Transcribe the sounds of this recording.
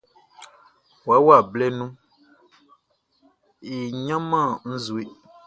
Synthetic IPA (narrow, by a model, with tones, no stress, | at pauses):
wa˨˦wa˦˨blɛ˦nũ˦ | e˨ɲã˦mã˦˨n̩˦zu˨e˦